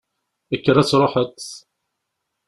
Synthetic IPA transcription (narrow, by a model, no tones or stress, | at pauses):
əkːəɾːæt͡sːɾˤoħət̪ː